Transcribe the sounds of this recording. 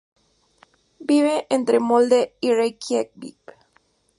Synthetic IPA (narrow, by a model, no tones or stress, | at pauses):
biβeʔẽnt̪ɾemold̪eirekjek̚bḭp